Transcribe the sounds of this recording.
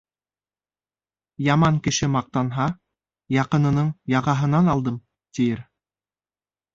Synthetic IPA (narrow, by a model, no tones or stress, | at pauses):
jɑmɑŋkɘ̆ʃɘmɑq̚t̪ɑnɦɑ | jɑqɤ̆nɤ̆nɤɴjɑʁɑɦɤ̆nɑnɑlˠd̪ɤm | t̪ijɘɾ